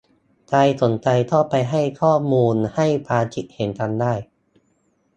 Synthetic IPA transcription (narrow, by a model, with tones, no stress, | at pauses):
t͡ɕa˧jso˩˦nt͡ɕa˧jt̪ʰɔː˥˩pa˧jɦa˥˩jkʰɔː˥˩muː˧nha˥˩jpaː˧t͡ɕi˦˥t̪̚he˩˦nt̪ʰa˧ndaː˥˩j